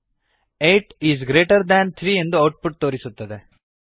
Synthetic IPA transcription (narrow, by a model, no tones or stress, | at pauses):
eːʈiːzɡɾe̞ːʈɐɾd̪ænt̪ʰɾiːe̞nd̪uɐwʈ̚puʈ̚t̪o̞ːɾisut̪ːɐd̪e